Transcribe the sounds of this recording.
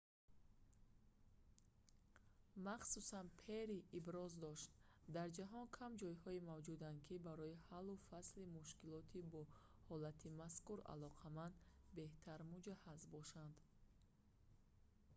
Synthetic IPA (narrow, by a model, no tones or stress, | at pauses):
maχsusanpʰeɾiʔibɾɔzd̪ɔʃt̪d̪aɾd͡ʒaɦɔnkʰamd͡ʒɔjhɔimavd͡ʒud̪and̪̚kʰibaɾɔihalːufaslimuʃkilɔt̪ʰibɔ | hɔlat̪ʰimaskuɾa̰lɔqʰamand̪beht̪ʰaɾmud͡ʒahazbɔʃand̪